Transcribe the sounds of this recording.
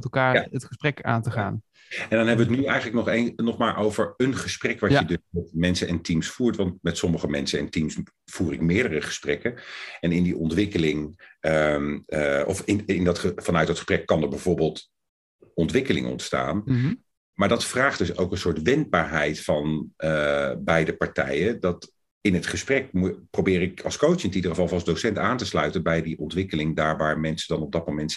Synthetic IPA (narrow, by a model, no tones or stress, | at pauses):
mɛtlˠkaːɹaətχəsprɛka̰ːntəχaːn | ɛndɑnɦɛbəʋətnyɛjχələk̚nɔχennɔχmaːɹʔowvəɹənχəsprɛkʋɑjədɵsɛtmɛnsənɛntimsfuːɹtʋɑntmɛtsɔməχəmɛ̰nsənɛ̰ntims | fuːrɪkmɪːɹdərəχə̥sprɛkəɛnɪndiʔɔntʋɪkəlɪŋəmɔ̰fɪnɪndɑtχəfɑnœɥtdɑtχəsprɛkːɑndəɹbɛjv̥oːɹbɪːlˠt | ɔntʋɪkəlɪ̰ŋʔɔ̰ntsta̰ːn | maːɹdɑtfraːχd̥ɵso̰wkənsʊːɹtʋɛnd̚baːɹɦɛjtfɑn | bɛjdəpɑɹtɛ̰jəndɑt | ɪnɦətχəsprɛk̚mprowbɪːɾɪkɑlˠskowt͡ʃsɪnətidəχəvɑlˠfɑlˠzdowsɛntaːntəslœɥtənbɛjdiʔɔntʋɪkəlɪŋdaːɹʋaːɹmɛnsədɑnɔb̚dɑt̚mowmɛnt